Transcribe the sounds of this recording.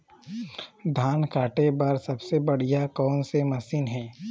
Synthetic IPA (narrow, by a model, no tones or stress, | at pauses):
d̪ʱaːnkaːʈepɐɾsɐbsebɐɽ̤ijakɔːnsemɐsiːnɦɛ̃ː